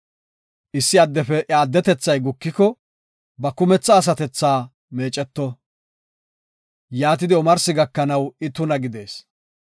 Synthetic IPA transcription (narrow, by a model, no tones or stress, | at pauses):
ʔɪsːɪɐd̪ːɛfɛʔaːd̪ːɛt̪ɛt͡sːɐjɡʊkːɪkɔ | bɐkʊmɛt͡sːɐːs̬ɐt̪ɛt͡sːaː | meːt͡ʃʼɛt̪ːɔ | jaːt̪̬ɪd̪ɪɔmɐɾsɪɡɐkːɐnɐwɪt̪ʊnɐɡɪd̪e̞ːs